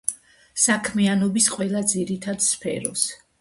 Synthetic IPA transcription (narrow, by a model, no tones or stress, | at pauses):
sakʰmianɔbisqʼwɛlˠad̪ziɾit̪ʰad̪spʰɛ̰ɾɔs